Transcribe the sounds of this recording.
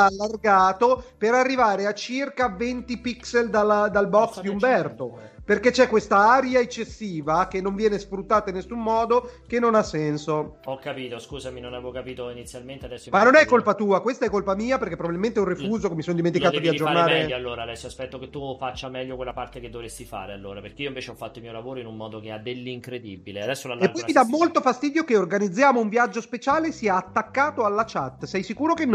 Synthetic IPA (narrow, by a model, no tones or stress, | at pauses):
alːarɡaːt̪opeɾarːivaːɾeat͡ʃːirkavent̪ipikseld̪alad̪albɔksd̪iumbɛrt̪o | perket͡ʃɛkːwest̪aaɾjaet͡ʃːesːiːvakenːoɱvjɛːnesfɾut̪ːaːt̪ainːesumːɔːd̪ok̟enːonasːɛnsoɔkːapiːt̪oskuːzaminonɛvokapiːt̪oinit̪sːjalment̪ead̪ɛsːomanːonɛkkːolpat̪uːakwest̪aɛkːolpamiːapeɾrk̟epːɾobabilment̪ɛunrifuːzokemisonod̪iment̪ikaːd̪od̪iaid͡ʒːornaːɾeɛʎːoalːoːɾad̪ɛsːoaspɛt̪ːoket̪ːufat͡ʃːamɛʎːokwelːapart̪eked̪ːovɾesːifa̰ːɾealːoːɾapeɾrk̟eioiɱveːt͡ʃeɔfːat̪ːoimiːolavoːɾoinummɔːd̪okead̪ːelːiŋkɾed̪ibilead̪ɛsːolalepɔj̪id̪amːolt̪ofast̪iːd̪jokeorɡanid̪zːjaːmouɱvjad͡ʒːospet͡ʃaːlesiːaːt̪ːakːaːt̪oalːat͡ʃat̪ːsɛjsikuːɾokenː